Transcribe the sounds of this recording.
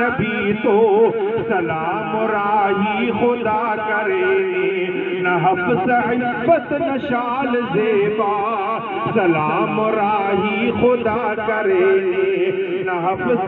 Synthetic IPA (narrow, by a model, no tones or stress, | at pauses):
ɐbʱit̪o | sɐlaː | mɾaːɦixod̪aːkɐɾe | nɐɦɐfsɐɦi | fɐt̪nɐʃaːld͡ʒebaː | sɐlaːmɾaːɦixʊd̪aːkɐɾe | nɐɦɐf